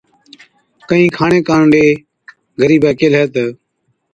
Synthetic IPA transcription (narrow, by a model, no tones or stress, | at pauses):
kəɦĩːkʰaːɳeːkaːnɖeː | ɡʱəɾiːbaːkeːlɦeːt̪ə